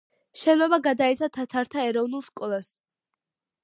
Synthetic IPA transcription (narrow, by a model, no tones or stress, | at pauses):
ʃɛnɔbaɡad̪ait̪sʰat̪ʰat̪ʰaɾt̪ʰaɛɾɔvnulˠskʼɔlˠas